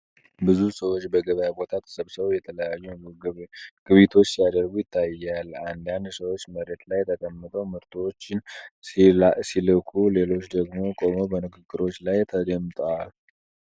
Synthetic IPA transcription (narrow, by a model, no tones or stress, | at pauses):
bɨzusəwot͡ʃːbəɡəβjabo̞t̪ʰat̪ʰə̥səβsəβəwjɛt̪ʰələjajːu | ɡ̥ɨβit̪ʰo̞t͡ʃːijad̪əɾɡujɪt̪ʰːajːaland̪jand̪səwot͡ʃːməɾet̪lajt̪ʰək̪ʼəmːɨt̪ʼəwmɨɾt̪ʰʼot͡ʃːɪn | silɨkʰule̞lo̞t͡ʃːd̪əɡmo̞kʼo̞mobənɨɡɨɡːɨɾo̞t͡ʃːlajt̪ʰəɡəmt̪ʼəwal